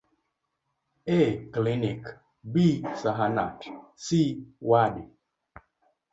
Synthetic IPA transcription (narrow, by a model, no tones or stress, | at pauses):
eklinik | bisaɦana̰tsiwadi